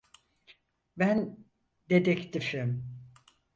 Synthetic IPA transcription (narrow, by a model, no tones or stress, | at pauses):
bæn | d̪ed̪ɛkt̪ifim